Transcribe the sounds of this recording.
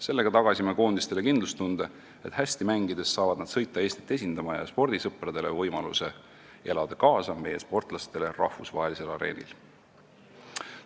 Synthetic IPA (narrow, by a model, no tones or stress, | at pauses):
se̞lːe̞ɡ̥ɑt̪ɑɡ̥ɑsʲimeko̞ːnd̪ist̪e̞le̞kind̪lust̪und̪̥e | e̞t̪hæsʲt̪imæŋɡid̪̥e̞sːɑːvɑd̪̥nɑd̪̥sɤ̞jt̪ˑːɑe̞ːsʲt̪i̥t̪ːˑe̞s̬ʲind̪̥ɑmɑjɑ̰spo̞rd̪̥isɤprɑd̪̥e̞le̞vɤjmɑlṵse̞ | e̞lɑd̪̥ɑkɑːsɑme̞jespo̞rt̪ˑlɑst̪ele̞rɑhvusvɑ̰ɦe̞lise̞lɑɾe̞̰ːnḭl